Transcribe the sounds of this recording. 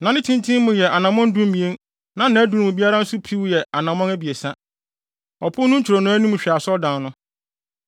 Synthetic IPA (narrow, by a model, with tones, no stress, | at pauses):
nã˨nɪ̃˦tʰĩ˦ntʰĩ˦mʊ̃˨jɛ˨ʔa˨nã˨mɔ̃˦n˦dũ˦m˦mĩ˨ẽ˦n | nã˨˦nã˨æ˦du˨ɾmʊ̃˨bi˦a˦ɾa˦n̩˦sʊ˦pʰi˦wjɛ˨a˨nã˨mɔ̃˦næ˦bi˨e˨sa˦ | ɔ˨pʰʊ˦nʊ̃˦ɲ̩˦t͡ɕʰɪ˨ɾɔ˨nʊ̃˦æ˦nũ˦m̃˨ɕᶣa˨sɔ˦dã˨nʊ̃˦